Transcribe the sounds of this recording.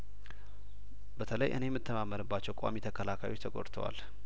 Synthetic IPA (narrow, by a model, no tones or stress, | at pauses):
bət̪ʰələjʔɨ̰nejɛmːɨt̪ʰːəmamːənɨbːat͡ʃːɛwkʼa̰mit̪ʰəkʰəlakʰajwo̞t͡ʃːt̪ʰəɡo̰ɾt̪ʰəwa̰l